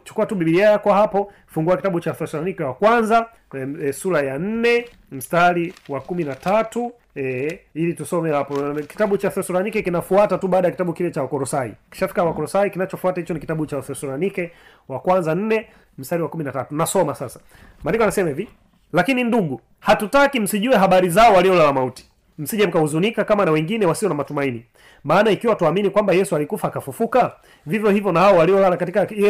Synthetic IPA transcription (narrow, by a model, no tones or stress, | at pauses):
t͡ʃu̥kuatuɓiɓiliajakwahapɔ | fuŋɡuakitaɓut͡ʃaθɛsɔɾanikɛwakwanza | suɾajan̩nɛ | m̩staliwakuminatatu | ɛilitusɔmɛhapɔki̥taɓut͡ʃaθɛsɔɾanikɛkinafuatatuɓaːɗajakitaɓukilɛt͡ʃawakɔɾɔsaḭki̥ʃafi̥kawakɔɾɔsaikinat͡ʃɔfuatahit͡ʃɔnikitaɓut͡ʃaθɛsɔɾanikɛ | wakwanzan̩nɛ | m̩staɾiwakuminatatunasɔmasasḁ | mandikɔanasɛmɛvi | lakininduɠu | hatutakim̩siʄuɛɦaɓaɾizaɔwaliɔlalamauti̥ | m̩siʄam̩kauzunikakamanawɛŋɡinɛwasiɔnamatumaini | maːnaikiwatuaminikwambajɛsualikufaːkafufuka | vivjɔhivjɔnahaɔwaliɔlalakatika